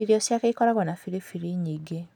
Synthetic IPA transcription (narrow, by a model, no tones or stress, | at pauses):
iɾiɔsjakeikɔɾaɡɔnafiɾifiɾiɲiɡe